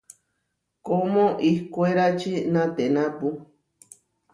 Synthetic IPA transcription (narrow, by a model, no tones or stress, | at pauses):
komõʔihkueɾat͡ʃinãt̪enãpu